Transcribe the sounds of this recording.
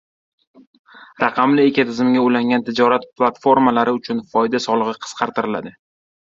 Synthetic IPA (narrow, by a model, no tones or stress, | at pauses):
ɾɑqʰɑmlɪe̞kʲat̪ʰɪzɪmɡʲaojlaŋʲant̪ʰɪd͡ʒɒɾat̪̚plˠat̪fo̞ɾmalaɾɪʊt͡ʃʰʊnfɒjd̪asɒlˠɨʁɨqʰɨ̥sqʰɑɾt̪ʰɪɾɪla̰d̪ɪ